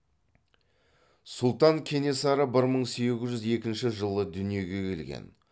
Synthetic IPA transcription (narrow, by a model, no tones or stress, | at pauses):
sʊlˠt̪ɑŋkʲʰe̞ne̞sɑɾəbɪɾməɴse̞ɡʲɪzʒʏze̞kʲɪnʃɪʒəlˠəd̪ʏnije̞ɡʲe̞kʲʰe̞lɡʲḛn